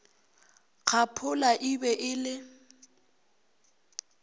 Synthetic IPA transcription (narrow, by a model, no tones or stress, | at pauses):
k͡xʰapʰʊlaʔibɛʔɪlɪ